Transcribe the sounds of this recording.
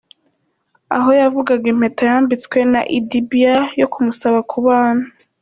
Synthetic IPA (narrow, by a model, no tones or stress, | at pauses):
a̰ɦo̞javuɡaɡem̥hetajaːmbit͡skwe̞na̰ʔidibijajo̞kʰumusaβakʰuβaːna